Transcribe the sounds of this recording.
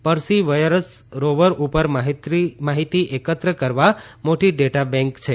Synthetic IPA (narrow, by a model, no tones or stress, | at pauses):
pəɾsiʋəjɾəsɾoʋəɾʔupəɾmaɦit̪imaɦit̪iʔekət̪ɾəkəɾʋamoʈiɖeʈabɛ̃ŋkt͡ʃʰe